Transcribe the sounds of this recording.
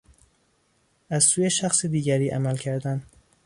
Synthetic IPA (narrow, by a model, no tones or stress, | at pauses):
æzsuːjeʃæxsid̪iːɟæɾiːʔæmælcʰæɾd̪æn